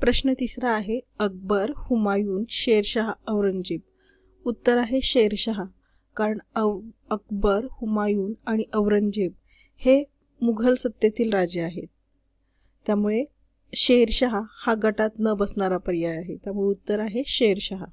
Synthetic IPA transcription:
pɾəɕnət̪isɾaːɦeək̚bəɾhumajuːnɕeɾɕaɦaəʋɾəɲd͡ʑeb̚ | ut̪ːəɾaɦeɕejɾɕaɦa | kaɾəɳəək̚bəɾhumajuːnaɽ̃iʔəʋɾəɲd͡ʑeb̚ | he | muɡʱəlsət̪jet̪iːlɾad͡ʑjəaɦet̪ː | jamuɭe | ɕeɾɕəɦahaɡəʈat̪nəbəsɳaɾapəɾijajaɦet̪jamuɭeut̪ːəɾaɦeɕeɾɕaɦa

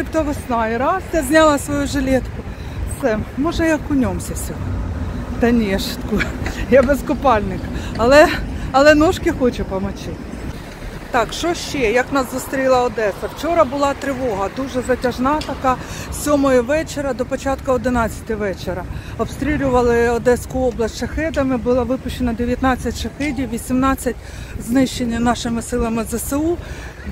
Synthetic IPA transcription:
t̪ʲipt̪ɔʋɔsnɑjɾɑsjazʲnʲɑlˠɐsʋɔjuʒelʲɛt̪kʊ | sɛmmɔʒnɐjɐkːʊnʲɔmsʲɐsʲɔɦɔt̪ɐnʲijɛʃɪ̥t̪kujabeskʊpɑlʲnɪkɐɐlˠɛɐlˠɛnɔʃkɪxɔt͡ʃɛpɐmɐt͡ʃɪt̪ | t̪ɑkʃɔʃt͡ʃɛjɐknɑszʊst̪ɾʲilˠɐɔd̪ɛsɐwt͡ʃɔɾɐbʊlˠɑt̪ɾɪʋɔɦɐd̪uʒɛzɐtʲɐʒnɑt̪ɐkɑsʲɔmɔjɔʋɛt͡ʃeɾɐd̪ɔpɔt͡ʃɑt̪kʊɔd̪ɪnɑt͡sʲːɐ̥t̪ɪʋɛt͡ʃeɾɐɔpst̪ɾʲilʲʊʋɐlˠɪɔd̪ɛskʊɔblˠɐsʲtʲʃɐxɛd̪ɐmɪbʊlˠɑʋɪpʊʃt͡ʃːenɐd̪eʋʲjɐt̪nɑt͡sʲːɐtʲʃɐxɛdʲiwʋʲisʲimnɑt͡sʲːɐtʲ | znɪʃt͡ʃenʲːɐnɑʃɪmɪsɪlˠɐmɪzɐseu

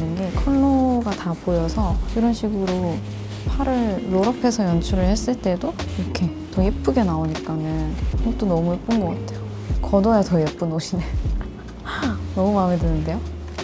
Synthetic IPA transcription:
nɯnɡe̞kʰʌɭːoɡatapojʌsʰʌiɾʌnɕʰiɡɯɾo | pʰaɾɯɭːoɾʌpʰe̞sʰʌjʌnt͡ɕʰuɾɯɭhes͈ɯɭt͈e̞doiɾʌkʰe̞ | tʌep͈ɯɡe̞naoɲik͈anɯnkt͈onʌmuep͈unɡʌɡatʰe̞jo | kʌdʌjatʌejep͈ɯnoɕʰine | nʌmumamedɯnɯnde̞jo

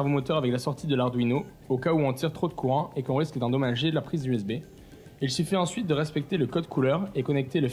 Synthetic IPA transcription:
vomot̪œʁavɛklasɔʁt̪ʰid̪əlaʁd̪wino | okauɔ̃t̪iʁt̪χod̪əkʰuʁɑ̃ekɔ̃ʁiskd̪ɑ̃d̪ɔmaʒelapχizd̪yɛsbe | ilsifiɑ̃sɥit̪̚d̪əʁɛspɛk̚t̪eləkɔd̪kʰulœʁekɔnɛk̚t̪elə

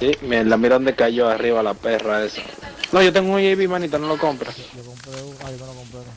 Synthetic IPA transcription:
simenlamiɾaðo̞nd̪ekaʝoariβalape̞raesa̰no̞ʝo̞t̪̬e̞ŋɡunjeβimanit̪onolo̞ko̞mpɾas

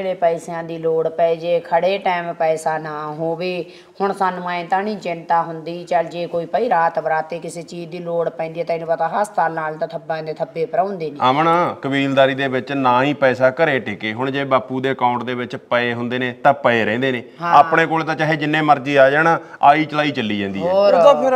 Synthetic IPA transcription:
ɽeːpəːsjãːd̪iːloːɽpɛeːd͡ʒeːkʰəɽeːʈɛːmpɛːsaːnaːɦoːʋeː | hʊɳsənmãːẽːt̪ãːnĩːt͡ʃɪnt̪aːɦʊnd̪iːt͡ʃəld͡ʒeːkoːiːpəiːɾaːt̪ʋəɾaːt̪eːkɪseːt͡ʃiːd͡ʒd̪iːloːɽpɛ̃nd̪iɛːt̪ãːɪnũːpət̪ãːɦəst̪aːlnaːlt̪ãːt̪ʰəbãːd̪eːt̪ʰəbːeːpəɾãːnd̪eːniːaːmɳaːkəbiːld̪aːɾiːd̪eːbɪt͡ʃnãːĩːpɛːsaːkəɾeːʈɪkeːɦʊɳd͡ʒeːbaːpuːd̪eːəkãːʊ̃ɳʈd̪eːʋɪt͡ʃpəeːɦʊnd̪eːneːt̪ãːpəeːɾɛ̃ːnd̪eːneːɦãaːpɽeːkoːlet̪ãːt͡ʃaːɦeːd͡ʒɪnːẽːməɾd͡ʒiːaːd͡ʒaːnaːaːiːt͡ʃəlaːiːt͡ʃəlːiːd͡ʒãːnd̪iːpʰɪɾ

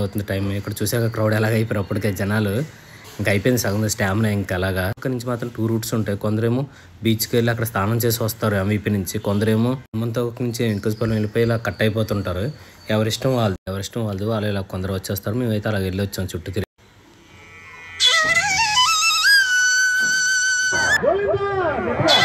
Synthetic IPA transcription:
ɐwt̪und̪iʈɐjmikːɐɽɐt͡ʃuːsaːkakɾɐwɽɛlaːɡɐjipɐːɾɐpːɐʈikeːd͡ʒɛnaːlu | iŋkɐɐjpojindisaːɡɐund̪sʈaːmnajiŋkɛlaːɡaːkːɐnuɲt͡ʃimaːt̪ɾɐmʈuːɾuːʈsuɳʈeːkɔnd̪ɐɾe̞ːmoː | biːt͡ʃkelːiɐkːɐɽɐst̪ʰaːnɐmt͡ʃe̞ːs̬iʋɐst̪aːɾuɐmʋipinuɲt͡ʃikond̪ɐɾe̞ːmoːmːɐnt̪oːknuɲt͡ʃiʋiŋkospɐlɐmelipɐjilaːkɐʈːɐjpɔːt̪uɳʈaːɾuɛʋɐɾiʂʈɐmʋaːld̪uɛʋɐɾiʂʈɐmʋaːld̪uʋaːlːɐilaːkɔnd̪ɐɾɐʋɐt͡ʃːɛːst̪aːɾume̞ːmɐjt̪eɐlaːɡeɭːiʋɐt͡ʃːaːmt͡ʃuʈːut̪iɾi

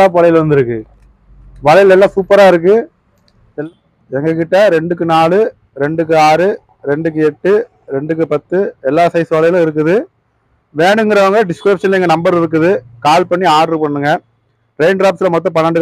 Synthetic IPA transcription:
aːp̬ʋɐlɐjɪlʋɐnd̪ɪɾɯkːɯ | ʋɐɻɐjɪlɛlːaːsuːpːɐɾaːɪɾɯk̬ːɯ | ɛŋɡɐkɪʈːɐɾɛɳɖɯk̬ːɯnaːlɯ | ɾɛɳɖɯk̬ːɯaːɾɯ | ɾɛɳɖɯk̬ːɯɛʈːɯ | ɾɛɳɖɯk̬ːɯpɐt̪ːɯɛlːaːsɐɪsɯʋɐɭɐjɪlʊ̃ɪɾɯk̬ːɯðɯ | ʋeːɳɯŋɡɪɾɐʋɐŋɡɐɖɪskɾɪpʂɐnlɐɛŋɡɐnɐmbɐɾɪɾɯk̬ːɯðɯkaːlpɐɳːiaːɾrɯpɐɳːɯŋɡɐ | ɾɛɪɳɖɾaːpsɪlɐmɔt̪̬ːɔ̃pɐɳːaɳɖɯ

